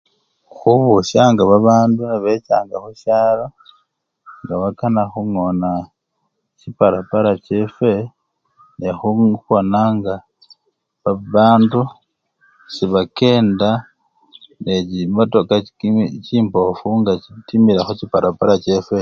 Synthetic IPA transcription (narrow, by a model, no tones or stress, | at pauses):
xuβuʃaŋɡaβaβaːnduniβe̞t͡ʃaːŋɡaxuʃaɾo | ŋɡaβakanaxuŋo̞na | cipaɾapaɾace̞fe̞ | nexukonaŋɡa | βaβaːndu | siβake̞ːnda | necimoto̞kaciːmpo̞fuŋɡacitimiɾaxucipaɾapaɾace̞fe